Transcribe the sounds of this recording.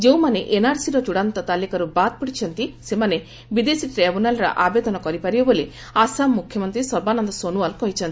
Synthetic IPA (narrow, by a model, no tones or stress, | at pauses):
d͡ʒew̃maneʔenaɾsiɾɔd͡ʒuɽant̪ɔt̪alikaɾubat̪̚pɔɽit͡ʃʰɔnt̪isemane | bid̪esiʈɾebunalɾɔ̰ʔabed̪ɔnɔkɔɾipaɾibɔboli | asamːukʰjɔmɔnt̪ɾisɔɾbanɔnd̪ɔsonualkɔɦjt͡ʃʰɔnt̪i